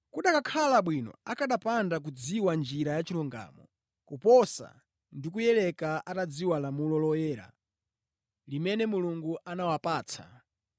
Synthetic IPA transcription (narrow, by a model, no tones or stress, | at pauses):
kuɗakakʰalaɓwinɔ̰akaɗapandak̬ud͡ziwand͡ʒiɾajat͡ʃiluŋɡa̰mɔ̰ | kupɔsa̰ | ndik̬ujɛlɛkaʔatad͡ziwalamulɔlɔjɛːɾa̰ | limɛnɛmuluŋɡuʔanawapaːt͡sʰa̰